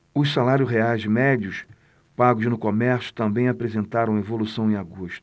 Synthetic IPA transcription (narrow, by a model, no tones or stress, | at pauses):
ʊʃsalaɾjʊsɦeajzd͡ʒɪmɛd͡ʒiʊs | paɡʊznʊkomɛɾsjʊ̥t̪ɐ̃mbẽj̃apɾezẽnt̪aɾɐ̃w̃evolusɐ̃w̃ẽaɡuʃt̪ʊʊ̥